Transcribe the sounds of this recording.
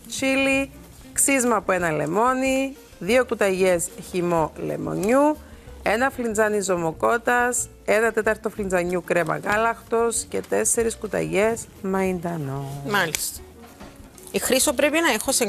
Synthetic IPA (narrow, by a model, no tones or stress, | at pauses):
t͡ʃili | ksizmɐpoe̞nɐle̞̰mo̞ni | ðio̞kut̪ɐʝe̞sçimo̞le̞̰mo̞̰ɲue̞nɐflind͡zɐnizo̞moko̞t̪ɐs | e̞nɐt̪e̞t̪ɐɾt̪oflind͡zɐɲukɾe̞mɐ̰ɣɐlɐxt̪o̞sce̞t̪e̞sːe̞ɾiskut̪ɐ̰ʝe̞z | mɐind̪ɐnomɐlist̪ɐ̥ | ixɾisopɾe̞pinɐexose